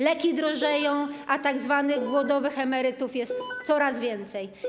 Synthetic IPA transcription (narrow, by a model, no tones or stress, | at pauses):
lɛkʲid̪ɾɔʐɛjɔ̃w̃ʔat̪aɡzvanɘɣɡwɔd̪ɔvɘxɛmɛɾɘt̪ufjɛst̪sɔɾazvʲjɛnt̪sɛj